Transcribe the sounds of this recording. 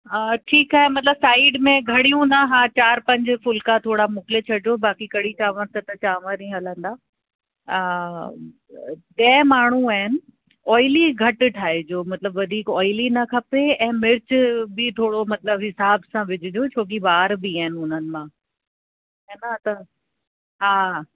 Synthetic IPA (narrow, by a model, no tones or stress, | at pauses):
əːʈʰiːkaːɦemɐt̪ləbsaːɪɖmẽɡʱɐɽ̤ijũnɐɦaːt͡ɕaːɾpɐ̃ɲd͡ʑfʊlkãt̪ʰoːɽamʊkɪlet͡ɕʰɐɽd͡ʑobaːkikɐɽ̤it͡ɕaːʋə̃ɾt̪ɐt̪ɐt͡ɕaːʋə̃ɾĩɦɐlə̃nd̪aː | ɗɛːmaːɳ̤uaːɦɪnɪ̆ | ɔːɪliɡʱɐʈ̆ʈʰaːɦed͡ʑoːmɐt̪ɪləbʋɐd̪ʱiːkɔːɪlinɐkʰɐpeɛ̃ːmɪɾɪt͡ɕbɪt̪ʰoːɽomɐt̪ləbɦɪsaːbsãʋɪd͡ʑʱɪd͡ʑoːt͡ɕʰoːk̬ibaːɾbiaːɦɪnɪ̆ʊn̤ənɪ̆mãː | ɦɛːnat̪ɐ | ɦaː